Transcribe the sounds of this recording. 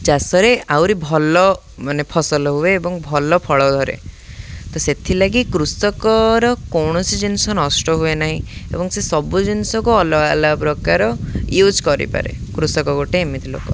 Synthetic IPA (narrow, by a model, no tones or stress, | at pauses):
d͡ʒasɔɾeawɾibʱɔlɔ | manepʰɔsɔlɔɦueːbɔŋbʱɔlɔpʰɔɭɔd̪ʱɔɾḛ | t̪ɔset̪ʰilaɡikɾusɔkɔɾɔkɔwɳ̃ɔsid͡ʒinsɔnɔsʈɔɦuenaɦĩḛbɔŋsesɔbud͡ʒinisɔkuɔlɔɡalabɾɔkaɾɔjud͡ʒkɔɾḭpa̰ɾḛkɾusɔkɔɡoʈeːmit̪ʰilo̰kɔ